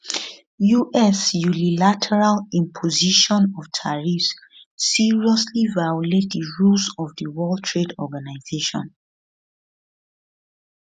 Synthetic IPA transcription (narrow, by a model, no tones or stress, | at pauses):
juʔɛsjunilatʰɛɹalĩmpʰoziʃɔ̃nɔftʰaɹifsː | iɹiɔslivajɔlet̚diɹulsɔvdəwɔltʰɹedɔɡanaɪzeʃɔ̰̃n